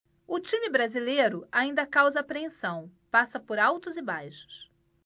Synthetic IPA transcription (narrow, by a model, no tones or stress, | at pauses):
ʊt͡ʃĩmɪbɾazilejɾʊaĩnd̪ɐkawzɐapɾẽsɐ̃w̃pasɐpoɾawt̪ʊzɪbajʃʊ̥s